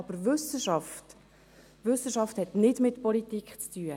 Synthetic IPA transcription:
ɑbəɾʋʏsəʃɑft | ʋʏsəʃɑfthɛtnɪdmɪtpɔlitikχt͡styːə

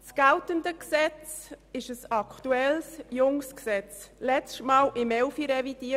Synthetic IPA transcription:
sɡ̥altəndəksɛt͡sɪʃəsɑkʰtuɛlsjʊŋsksɛt͡slɛt͡stmɑːlʔɪmɛʊfiɾɛvid̥iː

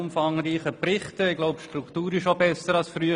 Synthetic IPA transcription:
ʊmfɑŋɾiːχəprɪχtəɪɡloʊpʃtɾuktuːɾɪʃobɛsəɾɑlsfɾyə

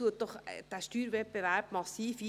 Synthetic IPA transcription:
uət̚d̥ɔχd̥æːʃtyːɾvɛbevæɾb̥mɑsiːfi

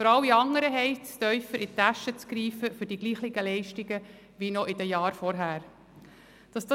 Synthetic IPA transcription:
fɔɾɑlɪɑŋːəɾəɦɛɪt͡st̪œʏfəɾʔɪt̪æʃət͡skɾiːfəfʏɾd̥iɡliːχlɪɡəlɛɪʃtɪɡə | ʋinɔʔɪdəjɑːɾfɔɾɦæːɾ | d̥ɑsd̥ɑ

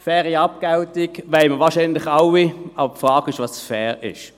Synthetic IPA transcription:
fɛːʁiɑp̚kaʊtɪkʋaɪməʋɑːɐʃiːnlɪχawiɑbəpfʁɑːkɪʃʋɑsfɛːʁɪ̰ʃ

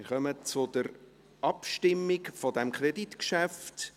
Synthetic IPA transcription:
ɪχœmət͡sʊd̥əɾ | ʔɑpʃtɪmːɪɡfɔdɛmkʰreditkʃæft

